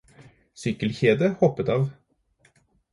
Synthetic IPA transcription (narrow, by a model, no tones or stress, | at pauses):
sʏkəlçeːd̪əhɔpːət̪ɑːʋ